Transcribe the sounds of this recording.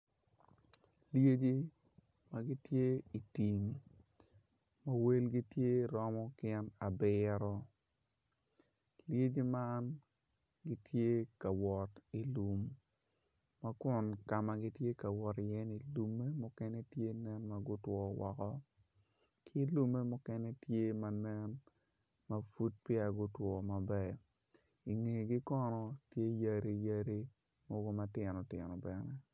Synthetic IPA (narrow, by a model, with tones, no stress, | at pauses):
lje˦d͡ʒi˦ | ma˦ɡi˦tje˦i˨ti˨ŋ | ma˦we˦lɡi˦tje˦˨ɾɔ˦mɔ˦kɪɛ˦na˨bɪ˦ɾɔ˦ | lje˦d͡ʒi˦ma˦n | ɡi˦tje˦ka˨wɔ˨ti˨lu˨m | a˦kʊ˨nka˨ma˨ɡi˦tje˦ka˨wɔ˨tɪ˨jɛ˦ni˨lu˨me˦mʊ˦kɛ˦nɛ˦tje˦nɛ˦nma˨ɡʊ˦twɔ˨wɔ˨kɔ˦ | kʰɪ˦lu˦me˦mʊ˦kɛ˦nɛ˦tje˦ma˨nɛ˦n | ma˨fu˦t̚pjɛ˦a˨ɡʊ˦twɔ˨ma˨bɛ˨ | i˨ŋe˨ɡi˦kɔ˦nɔ˦tje˦ja˦ɾi˨ja˦ɾi˦ | mɔ˦ɡo˦ma˦tɪ˨nɔ˨tɪ̰˨nɔ˨bɛ˨nɛ˦